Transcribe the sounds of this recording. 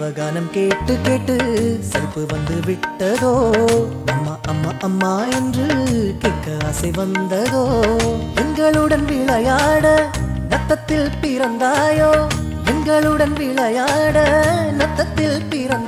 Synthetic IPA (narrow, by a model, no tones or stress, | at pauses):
ʋɐɣaːnɐmkeːʈːɯkːeːʈːɯsɐɾpːɯʋɐnd̪ɯʋɪʈːɐðoːnɐmːaʔɐmːaːʔɐmːaːɛndrɯkeːkːɐɐːsɐɪʋɐnd̪ɐðoːɛŋɡɐɭɯɽɐnʋiɭɐjaːɽɐ | nɐt̪ːɐt̪ːɪlpɪɾɐnd̪aːjoː | ɛŋɡɐɭɯɽɐnʋiːɭɐjaːɽɐnɐt̪ːɐt̪ːɪlpɪɾɐn